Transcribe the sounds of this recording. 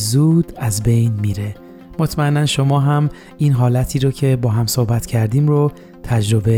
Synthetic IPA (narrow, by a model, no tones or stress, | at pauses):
zuːd̪̥æzbe̞jnmiːɾe̞ | mot̪ʰmæenːænʃo̞mɒːɦæm | iːnɦɒːlæt̪ʰiːɾocʰe̞bɒːɦæmsohbæt̪ʰcʰæɾd̪iːmɾo | t̪ʰæd͡ʒɾo̞be